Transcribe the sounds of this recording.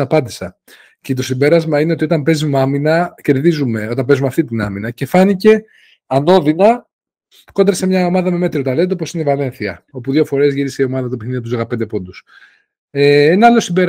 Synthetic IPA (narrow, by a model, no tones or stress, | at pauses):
ɐpɐnd̪isɐ | cet̪o̞simbe̞ɾɐzmɐine̞o̞t̪io̞t̪ɐmpe̞zimeɐminɐce̞ɾðizume̞o̞t̪ɐmbezumeɐft̪it̪inɐminɐce̞fɐnice̞ | ɐno̞ðinɐ | ko̞nd̪ɾɐse̞mɲɐo̞mɐðɐme̞me̞t̪ɾiot̪ɐle̞t̪eo̞po̞sineivɐle̞nθiɐ̰o̞puðʝo̞fo̞ɾe̞zʝiɾise̞io̞mɐðɐt̪opiθniɐt̪uzoɣɐpnd̪e̞po̞nd̪us | eenɐɐlo̞simbe̞ɾ